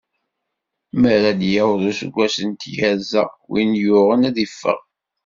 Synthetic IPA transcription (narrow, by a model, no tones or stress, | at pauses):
məɾad̪jawðˤusə̰ɡʷːæsənt̪jæzæ̰wḭnjʊʁənæðifːə̰ʁ